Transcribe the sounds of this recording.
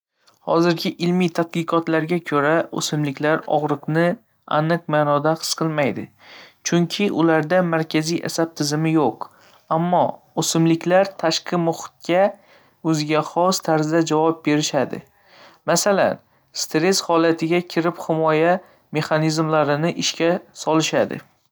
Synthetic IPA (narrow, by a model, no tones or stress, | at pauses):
hɒ̰zɪɾɡʲɪʔɪlmit̪ʰat̪̚qɨqʰɒt̪laɾɡʲakʰɵɾao̰sɪmlɪkʲlaɾɒ̰ʁɾɨqnɪ | a̰nɨq̚maːnɒd̪aqʰɨ̥sqʰɨlˠmajd̪ɪ | t͡ʃʰʊŋkʲʰɪʔʊlaɾd̪amaɾkʲʰazijʔa̰sab̚t̪ʰɪzɪmɪjoq | amːɒ | osɪmlɪkʲʰlaɾt̪ʰaʃqʰɨmʊχʊ̥t̪̚kʲa | ɵzɪɡʲaχɒst̪ʰaɾzd̪ad͡ʒavɒp̚be̞ɾɪʃad̪ɪ̰ | masala̰n | st̪ɾe̞shɒlat̪ʰɪɡʲakʲʰɪɾɪpχɪmɒja | me̞χanizmlaɾɪnɪʔɪʃkʲasɒlˠɪʃad̪ɪ̰